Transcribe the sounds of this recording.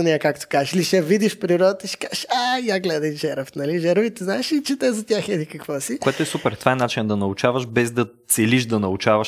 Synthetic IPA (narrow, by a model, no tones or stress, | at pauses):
ɐnʲɛɛkakt̪o̥kazʃliʃɛvid̪iʃpɾiɾɔd̪ət̪əiʃɛ̥kaʃajaɡlɛd̪ɐʒɛɾəfnɐliʒɛɾvit̪ɛznaɛʃit͡ʃɛt̪ɛzɐt̪ʲjaxɛd̪ikɐkvɔsikoɛt̪oɛsupɛɾft̪vaɛnat͡ʃind̪ɐnɐʊt͡ʃavəʃbɛzd̪ɐt̪sɛliʃd̪ɐnɐʊt͡ʃavɐʃ